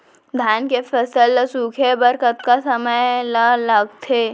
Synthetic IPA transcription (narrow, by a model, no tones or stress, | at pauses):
d̪ʱaːnkepʰəsəlsuːkʰebəɾkət̪kasəməjlələɡt̪ʰeː